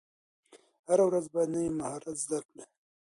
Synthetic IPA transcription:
haɾawɾazbɑjad̪najimahɑɾat̪zd̪aɾkle

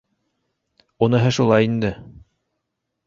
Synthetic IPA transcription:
unɤ̆ɦɤʃulˠɑjind̪ɘ

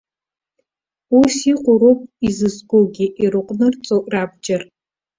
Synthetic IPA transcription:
usiqʷʼʊɾopʼizɨsɡoɡʲiʔiɾɨqʼnɨrt͡sʼoʔraːbd͡ʒɐr

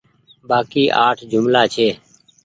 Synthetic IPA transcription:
baːkiːʔaːʈʰd͡ʒʊmlaːt͡ʃʰeː

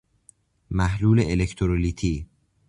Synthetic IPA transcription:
mæhluːleʔelecʰt̪ʰoɾoliːt̪ʰiː

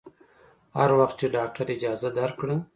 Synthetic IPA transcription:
haɾwaxt̪̚t͡ʃeɖɑːk̚ʈaɾɪd͡ʒɑːzad̪aɾkɽə

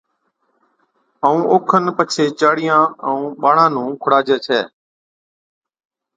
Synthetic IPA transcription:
əũːʔoːkʰənpət͡ʃʰeːt͡ʃaːɽɪjãːəũːɓaːɳãːnũːkʰʊɽaːd͡ʒeːt͡ʃʰɛː

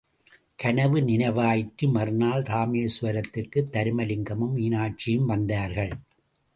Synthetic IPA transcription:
kɐnɐʋɯnɪnɐʋaːjɪʈːɯmɐɾɯnaːlɾaːmeːsʋɐɾɐt̪ːɪrkɯt̪ːɐɾɯmɐlɪŋɡɐmɯmːiːnaːʈ̚t͡ʃːɪjɯmʋɐnd̪aːɾɣɐɭ

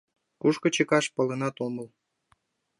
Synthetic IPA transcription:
kuʃkə̆t͡ɕəkɑʃpə̆lənɑt̪oməl

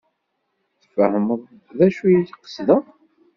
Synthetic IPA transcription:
θə̥fəhəməðˤ | ðæʃujit̪iqə̥sðə

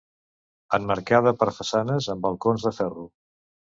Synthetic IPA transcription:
əmməɾkað̞əpəɾfəsanəzəmbəlˠkonzðəfɛru

